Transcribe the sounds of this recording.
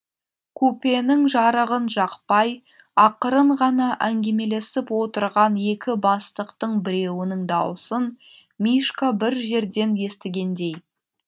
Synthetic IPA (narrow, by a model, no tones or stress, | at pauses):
kʰɵpe̞nɪŋʒɑɾəʁənʒɑqpɑj | ɑqəɾəɴʁɑnɑʔæŋɡʲe̞me̞le̞sɪpwo̞t̪əɾʁɑnje̞kʲɪbɑst̪əqt̪əɴbɪɾe̞wɪnɪŋd̪ɑwəsən | mijʃkabɪɾʒe̞ɾd̪e̞nje̞st̪ɪɡʲe̞nd̪e̞j